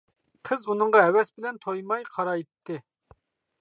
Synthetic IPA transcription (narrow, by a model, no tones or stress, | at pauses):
qʰəzunɨŋʁɑɦɛwɛsbɪlɛnt̪ʰojmɑjqʰɑɾɑjt̪ʰːɪ